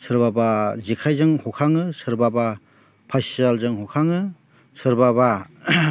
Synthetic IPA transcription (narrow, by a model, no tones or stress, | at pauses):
sʰɯɾbabazikʰajzɯŋhɔkʰaŋɯsɯɾbaba | pʰasialzɯŋhɔkʰaŋɯ | sʰɯɾbaba